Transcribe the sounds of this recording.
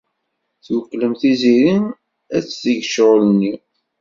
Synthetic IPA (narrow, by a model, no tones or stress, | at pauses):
θwəkːləmθiziɾin | æt͡ssəʝʃʁlnːi